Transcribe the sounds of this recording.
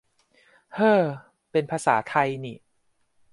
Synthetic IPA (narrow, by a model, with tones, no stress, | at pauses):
hɤː˧˩ | pe˧npʰaː˧sa̰ː˩˦t̪ʰa˧jniː˨˩